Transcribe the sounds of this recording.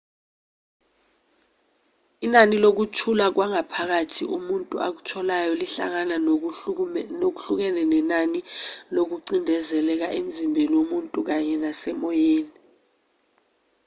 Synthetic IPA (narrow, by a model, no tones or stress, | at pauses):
inanilok̬utʰulak̬waŋapʰak̬atʰḭʔumuntʼua̰k̬u̥tʰɔlajɔliɬa̰ŋana | nok̬u̥ɬuk̬ɛnɛnɛnanilok̬uǀindʱɛzɛlɛk̬aʔem̩zimbʱeniwomuntʼuk̬aɲɛnasɛmɔjeːni